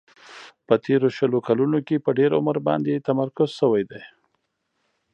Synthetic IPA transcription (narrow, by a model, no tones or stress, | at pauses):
pət̪ʰeɾoʃəlokalunokepəɖeɾʊ̰məɾbɑ̰nd̪et̪amaɾkʊz̥ʃəwajd̪aj